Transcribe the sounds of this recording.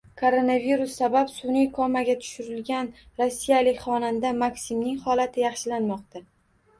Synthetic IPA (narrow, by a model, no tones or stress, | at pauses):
kʰoɾo̞naviɾʊsːabapsʊnɪkʰɒmaɡʲat̪ʰʊ̥ʃɪɾɪlɡʲan | ɾosːijalɪkʲχɒnand̪amaksimnɪŋχɒlat̪ʰɪjɑχʃɪlanmɒqt̪ʰa